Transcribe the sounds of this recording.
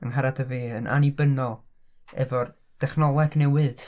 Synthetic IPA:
ənɦaɾadʰəveːənʔa̰nibənɔlˠ | ɛ̰vɔr | d̥ɛχnɔlˠɛɡnɛwɨð

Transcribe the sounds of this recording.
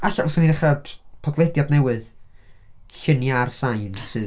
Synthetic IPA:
aɬavɔsaniðɛχad̥pʰɔdlˠɛdjadnɛwɨð | ɬɪnjarsajnsɨ

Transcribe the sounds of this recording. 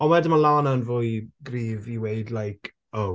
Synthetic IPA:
ɔwɛdəmalaːnanvʊːɨɡriːviweɨdlajkʰ | ow

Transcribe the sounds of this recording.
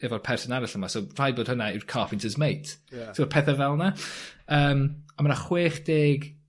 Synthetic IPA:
ɛvɔrpʰɛrsɔnaɾɪɬəmasor̥ajbod̥hənaɪwrkʰafɪntʰəzmejtʰsʰipʰɛθavɛlˠnaəːmɔmanaχweːχd̥eːɡ

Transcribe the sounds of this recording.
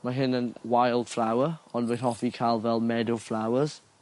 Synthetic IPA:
maɦɪnə̃nwajlˠd̥flawəɔnvəhɔfikʰalˠvɛlˠmɛdoflawəz̥

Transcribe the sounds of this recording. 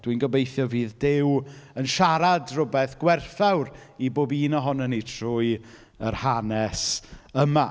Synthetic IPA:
d̥winɡəbejθjɔviːðdɪwənʃaɾadrʊbɛθɡ̥wɛrθawɾiboːbiːnəɦʊnənitʰrʊːj | ərhanɛsəma

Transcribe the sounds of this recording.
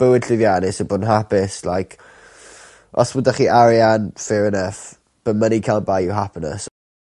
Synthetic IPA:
b̥əwɪdɬɪvjanɪsəbɔːdnɦapɪslajkʰ | ʔɔ̰swʊdaχiʔaɾjanfɪɾənɛθ | b̥ənmənikʰalˠbajɪwɦapʰnə̰s

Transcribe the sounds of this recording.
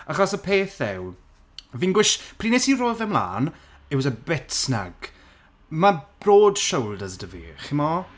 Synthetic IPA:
aχɔsəpʰeːθɛw | viːnɡwɪʃpʰr̥iːnesiroːðɛmlˠa̰ːn | ɛwsəbɛtsna̰ɡ̥ | mab̥roːd̥ʃowlˠdəzədəvḭːχɪmɔ

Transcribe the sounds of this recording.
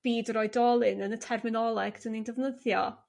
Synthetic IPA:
b̥iːdrɔɨdɔlˠɨnənətʰɛrmɪnɔlˠɛɡ̥dənindəvnəðjɔ̰

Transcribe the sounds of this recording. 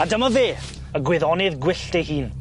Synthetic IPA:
adəmɔveː | əɡwɪðɔnɪðɡwɪɬtɛhiːn

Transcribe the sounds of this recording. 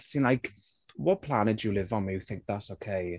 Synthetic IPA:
sĩnlaɪjk | wɒt̚pʰl̥anɪdəlɪvn̩miθɪ̃ŋk̚ðatsoʊkʰeɪ

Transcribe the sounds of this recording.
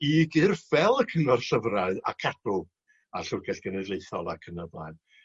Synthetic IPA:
iːɡɪrvɛlˠəkʰənɔrɬəvraɨa̰kʰad̥ʊ | aɬʊɡɛɬɡ̥ənɛdeɨθɔlˠa̰kʰənəva̰ɨ

